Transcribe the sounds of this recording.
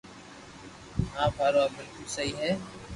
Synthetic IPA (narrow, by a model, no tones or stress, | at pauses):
ɦãːpʰaːɾoːaːbɪlkʊlsəɦiːɦɛː